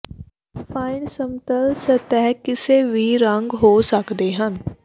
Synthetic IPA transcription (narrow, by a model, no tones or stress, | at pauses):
pʰaːɪnsəmt̪əlsət̪ɛːɦkɪseʋʱiːɾəŋɡɦoːsəkd̪eːɦən